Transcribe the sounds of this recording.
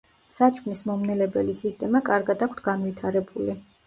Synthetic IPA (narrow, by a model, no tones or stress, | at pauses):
sat͡ʃʼknismɔmnɛlɛbɛlisist̪ʼɛmakʼaɾɡad̪akʷʰt̪ʰɡanvit̪ʰaɾɛbuli